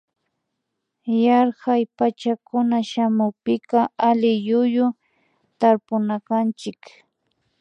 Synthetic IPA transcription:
jɑɾhajpat͡ʃakʊnaʃamʊpɪkɑʔalɪjʊjʊ | t̪aɾpʊnakant͡ʃɪk

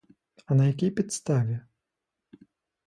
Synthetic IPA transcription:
ɐnɐjakʲijpʲit̪st̪avʲɛ

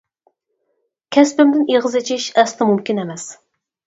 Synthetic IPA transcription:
kʲʰɛspɪmd̪ɪniʁɨzɪt͡ʃʰiʃɛslɨmumkʲinɛmɛs

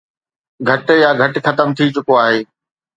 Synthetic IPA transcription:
ɡʱɐʈjaɡʱɐʈxɐt̪əmt̪ʰit͡ɕʊkoaːɦeː

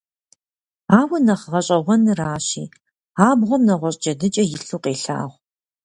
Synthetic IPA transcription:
aːwɐnɐχəʁɐɕʼɐʁʷɔnɨraːɕḭː | aːbʁʷɔmnɐʁʷɔɕʼt͡ʃɐdɨt͡ʃʼɐjɪɬuːqʼeːɬa̰ːʁʷ

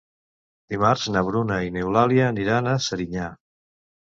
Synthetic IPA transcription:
d̪̥imaɾznəβɾunainewlaljaːniɾanəsəɾiɲa

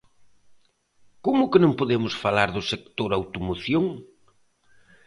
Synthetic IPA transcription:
komʊkɪnõŋpoðemʊsfalaɾðʊsek̚t̪oɾawt̪omoθjoŋ

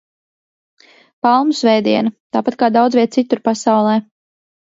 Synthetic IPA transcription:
palˠmusvɛjd̪iɛnɐt̪aːpat̪̚kaːd̪awd̪zvʲiɛt̪̚t̪sit̪uɾpasawlˠɛː

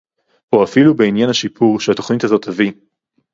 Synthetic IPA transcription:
boafilube̞injanhaʃipʰuʁʃehato̞χnitazo̞tavi

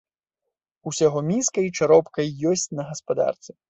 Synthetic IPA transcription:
usʲaɣɔmʲinskɐjt͡ʂaɾɔpkɐjːɔsʲt͡sʲnɐɣɐspad̪a̰rt̪sɛ

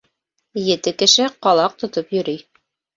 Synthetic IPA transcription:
jɘ̆t̪ɘkɘ̆ʃɘqɑlˠɑq̚t̪ŏt̪opjɵ̆ɾyj

